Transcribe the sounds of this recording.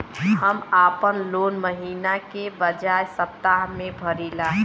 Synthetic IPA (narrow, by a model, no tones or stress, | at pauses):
həmaːpənloːnməɦiːnakebəd͡ʒajsəp̚t̪aɦmẽbʱəɾilaɦ